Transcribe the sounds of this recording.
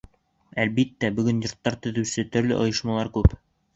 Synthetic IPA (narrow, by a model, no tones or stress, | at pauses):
ælbit̪ːæbɵ̆ɡɵnjŏɾt̪ːɑɾt̪ɵ̆ðʉ̆wsɘt̪ɵ̆ɾlɵ̰ʔŏ̰jɤ̆ʃmɑlˠɑɾkʉp